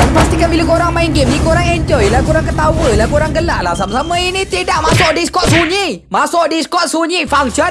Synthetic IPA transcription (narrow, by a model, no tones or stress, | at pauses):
danpast̪ikanbilakoɾaŋmaiŋɡɪm̚nĩkoɾaŋɛɲd͡ʒɔjlakoɾaŋkət̪awəlakoɾaŋɡəlaʔlahsamasamə̃init̪idaʔ̚masʊʔ̚diskɔt̪̚suɲimasʊʔ̚diskɔt̪̚suɲifaŋsɔn